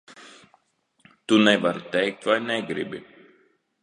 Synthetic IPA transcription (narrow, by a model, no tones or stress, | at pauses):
t̪unɛvaɾt̪ʲɛjk̚t̪vajnɛɡɾibḭ